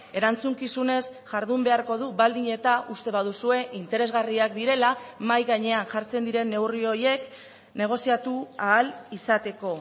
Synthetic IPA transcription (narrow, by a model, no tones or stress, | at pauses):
e̞ɾant͡suŋkisune̞sʝaɾðumbe̞aɾko̞ð̞uβald̪iɲe̞t̪aʔust̪e̞βaðusue̞ʔint̪e̞ɾe̞zɣariak̚d̪iɾe̞lamajɣaɲe̞anʝaɾt͡se̞nd̪iɾe̞nːe̞wrio̞je̞k | ne̞ɣ̞o̞siat̪uaːlisat̪e̞ko̞